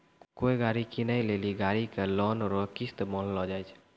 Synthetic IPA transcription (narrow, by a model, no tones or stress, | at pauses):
koːiɡaːɾikinaĩleliɡaːɾikelɔːnɾɔkist̪bɔllɔd͡ʒaːjt͡ʃʰ